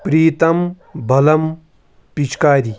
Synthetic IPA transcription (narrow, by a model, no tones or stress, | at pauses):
pɾiːt̪ɐm | bʱɐlɐm | pit͡ʃʰkaːɾi